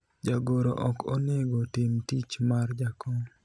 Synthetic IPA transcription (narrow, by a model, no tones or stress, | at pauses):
d͡ʒaɡoɾo̰ʔɔko̰neɡotɪmtit͡ʃmard͡ʒakɔŋ